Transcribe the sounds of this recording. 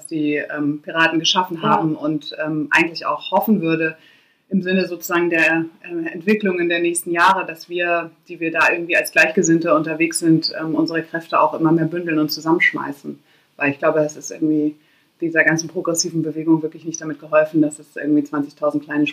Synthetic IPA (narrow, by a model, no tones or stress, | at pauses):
d̥asd̥iːɛ̰ːmpiʁ̞aːtn̩ɡəʃafn̩ɦaːbm̩ʊntʔɛːmʔa̰ɪɡŋ̩tlɪça̰ʊxhɔfn̩vʏɐɾə | ʔɪmzɪnəzoːt͡suzaːɡŋ̩deːɐʔɛmɛntv̥ɪklʊŋəndeːɐnɛːçstn̩jaːʁədasv̥iːɐd̥iːviːɐdaːʔɪɐɡŋ̩tv̥iːalsɡ̥laɪçɡ̥əzɪntəʊntɐveːksz̥ɪntʔɛ̰ːmʔʊnzəʁ̞əkʁ̥ɛftəa̰ʊxʔɪmɐmeːɐbʏndl̩nʊntt͡suzamənʃma̰ɪsn̩ | vaɪlɪçɡ̥laʊbədasɪstʔɪ̰ɐɡŋ̩tv̥iː | d̥iːzɐɡant͡sn̩pʁ̥oɡʁɛsiːvn̩bəveːɡʊŋvɪɐklɪçnɪçt̚d̥amɪt̚ɡ̥əɦɔlfn̩dasɛsʔɪ̰ɐɡŋ̩tv̥iːt͡sv̥ant͡sɪçtʰaʊzn̩tklaɪnəʃ